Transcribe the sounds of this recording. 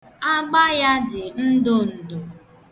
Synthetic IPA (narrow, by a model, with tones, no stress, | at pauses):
a˦ɡ͡ba˦ja˦dɪ˨n̩˦dʊ˦n̩˨dʊ˨